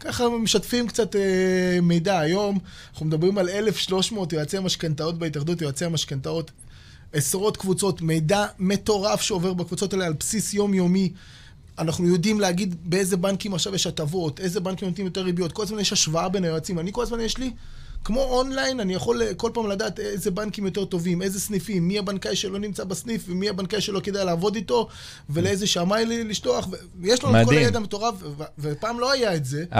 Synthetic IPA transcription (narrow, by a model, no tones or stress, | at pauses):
kaχameʃatfimkt͡sateme̞jdaːjo̞m | naχnumed̪abʁimale̞le̞fʃlo̞ʃmo̞ːt̬joat͡seamaʃkant̪ao̞t̚beitaχd̪ut̪̬joat͡seamaʃkantao̞t̪ | esʁo̞t̪kvut͡so̞t̪me̞jdame̞t̪o̞ʁafʃeo̞veʁbakvut͡so̞talealpsisjo̞mjo̞mi | anaχnujo̞dimleaɡid̪bee̞jzebankimaχʃavjeʃat̪avo̞t̪e̞jzebankimjot̪imjot̪e̞ʁibijo̞t̪ko̞lazmanjeʃhaʃvaabe̞naat͡simanikolazmanjeʃli | kmo̞onlajnanijaχo̞lko̞lpaːmlad̪aːt̪ezebankimjo̞t̪e̞ʁt̪o̞vime̞jze̞snifimːiabankajʃelo̞nimt͡sabasnifvemiabankajʃelo̞ked̪ajlaːvo̞d̪ito̞ | ve̞leezeʃamajlliʃlo̞aχve | jeʃlanukoajed̪ameto̞ʁafvvepaːmlo̞ajaetze̞